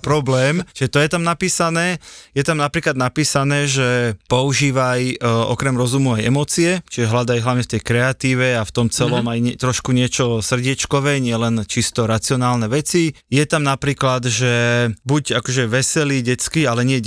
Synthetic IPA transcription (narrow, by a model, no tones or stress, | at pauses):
pɾɔblɛːmt͡ʃiʒɛt̪ɔjɛt̪amnapiːsanɛːjɛt̪amnapɾiːklad̪napiːsanɛːʒɛpɔuʒiːʋajʔɔ̰kɾɛmɾɔzumuajɛ̰mɔt͡siɛt͡ʃiʒɛɦlad̪ajɦlaʋɲɛft̪ɛjkɾɛat̪iːʋɛaft̪ɔmt͡sɛlɔmajɲɛt̪ɾɔʃkuɲɪɛt͡ʃɔsr̩ɟɪɛt͡ʃkɔʋɛɲɪɛlɛnt͡ʃist̪ɔɾat͡siɔnaːlnɛʋɛt͡si | jɛt̪amnapɾiːklad̪ʒɛbuɟakɔʒɛʋɛsɛliɟɛt͡skialɛɲɪɛ